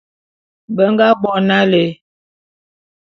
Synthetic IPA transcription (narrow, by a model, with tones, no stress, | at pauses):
bə˦ŋɡa˦ɡ͡bɔ˨na˦le˨